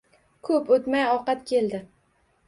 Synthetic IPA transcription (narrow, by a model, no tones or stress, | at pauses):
kʰɵpot̪majɒqɑt̪kʲʰeld̪ɪ